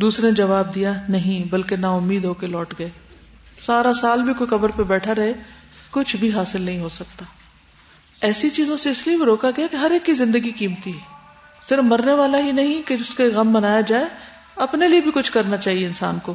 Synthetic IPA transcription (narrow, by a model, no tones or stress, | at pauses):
d̪uːsɾed͡ʒɐʋaːb̚d̪ijanɐɦĩbɐlkenaʊmːiːd̪ɦoːkelɔːʈɡɐeː | saːɾasaːlbʱikoikɐbəɾpebɛːʈʰaɾɐɦe | kʊt͡ʃʰbʱiɦaːsɪlnɐɦĩɦosɐk̚t̪aː | ɛːsit͡ʃiːzõseɪsliebʱiɾoːkaɡɐjakeɦɐɾeːkːizɪ̃nd̪əɡikiːmt̪iɦɛː | sɪɾəfmɐɾneʋaːlaɦinɐɦĩkeʊskeɣɐmːɐnaːjad͡ʒaːe | ɐpneliebʱikʊt͡ʃʰkɐɾnat͡ʃaːɦieɪnsa̰ːnkoː